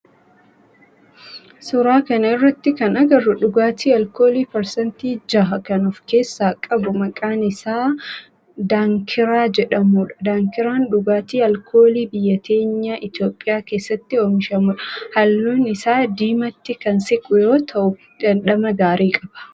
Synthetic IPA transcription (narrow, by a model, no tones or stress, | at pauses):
sʊɾaːkɐnɐɪrːɐt̪ːɪkɐnɐɡɐrʊᶑʊɡaːt̪iːɐlkoːliːpɐɾsɐnt̪iːd͡ʒɐɦɐkɐnʊfke̞ːsːaːkʼɐbʊmɐkʼaːnɪsaː | d̪aːŋkʰɪɾaːd͡ʒɛᶑɐmuːᶑɐ̥d̪aːŋkɪɾaːnᶑʊɡaːt̪iːɐlkʰoːliːbɪjːɐt̪ʰe̞ːɲːaʔɪt̪jo̞ːpʼːɪjaːke̞ːsːɐt̪ːɪoːmɪʃɐmuːᶑɐhɐlːuːnɪsaːd̪iːmɐt̪ːɪkɐnsɪkʼʊjo̞ːt̪ʰɐʔʊ | dɐnᶑɐmɐɡaːɾiːkʼɐb̥ɐ̥